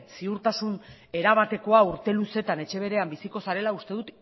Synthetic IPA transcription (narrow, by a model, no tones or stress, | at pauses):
siuɾt̪asune̞ɾaβat̪e̞ko̞auɾt̪e̞luse̞t̪ane̞t͡ʃe̞β̞e̞ɾe̞ambisiko̞saɾe̞laust̪e̞ðut̪